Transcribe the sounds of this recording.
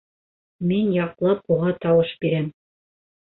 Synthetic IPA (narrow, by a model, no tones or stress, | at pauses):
minjɑqlˠɑp̚uʁɑt̪ɑwɤʃbiɾæm